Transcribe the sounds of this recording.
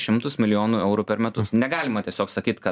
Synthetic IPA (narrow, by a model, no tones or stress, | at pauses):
ʃʲɪmt̪ʊsmʲɪlʲɪjoːnuːɛʊɾuːpʲɛɾmʲɛt̪ʊsnʲɛɡɑːlʲɪmɐt̪ʲiɛsʲoːksɐkʲiːt̪kɐ